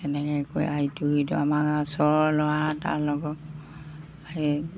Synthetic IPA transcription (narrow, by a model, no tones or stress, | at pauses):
ɛnɛkɛko̰jaituhitʊ̰amakasɔɹɔlɔata̰ɹlɔɡɔk | ai